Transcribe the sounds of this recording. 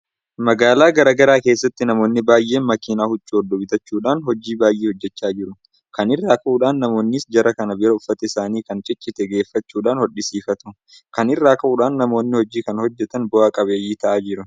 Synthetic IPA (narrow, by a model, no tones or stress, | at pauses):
mɐɡaːlaːɡɐɾɐɡɐɾaːke̞ːsːɐt̪ːɪnɐmo̞ːnːɪbaːjʔe̞ːnmɐkinaːhʊt͡ʃʼːʊɔd̪ːɔbɪt̪ɐt͡ʃːuːᶑaːnhɔd͡ʒiːbaːjʔeːhɔd͡ʒːɛt͡ʃːaːd͡ʒɪɾʊ | kɐnɪrːaːkɐʔuːᶑaːnːɐmo̞ːnːɪsd͡ʒɐɾɐkɐnɐbɪɾɐʊfːɐt̪ɛɪsaːniːkɐnt͡ʃʼɪt͡ʃʼːɪt̪ɛɡe̞ːfːɐt͡ʃːuːᶑaːnhɔᶑɪsiːfɐt̪ʊ | kɐnɪrːaːkɐʔuːᶑaːnnɐmo̞ːnːɪhɔd͡ʒiːkɐnhɔd͡ʒːɛt̪ɐnbɔaːkʼɐbe̞ːjiːt̪ɐʔaːd͡ʒɪɾʊ